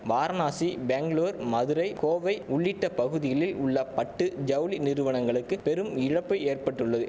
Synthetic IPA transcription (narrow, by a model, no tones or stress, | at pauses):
baːɾnaːsibeːŋɡɭoːɾmɐðɯɾɐɪkoːʋɐɪʊɭːɪʈːɐpɐɣɯðɪɣɐɭɪlʊɭːɐpɐʈːɯd͡ʒɐwlinɪɾɯʋɐɳɐŋɡɐɭɯkːɯpɛɾɯmɪɻɐpːɐɪeːrpɐʈːɯɭːɐðɯ